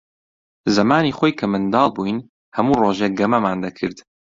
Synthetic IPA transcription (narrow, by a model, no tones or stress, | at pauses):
zɐmaːniːχoːjkʰɐmɨnd̪ɑːlˠbujn | hɐmuːroːʒeɡɐmɐmaːnd̪ɐkʰɨɾd̪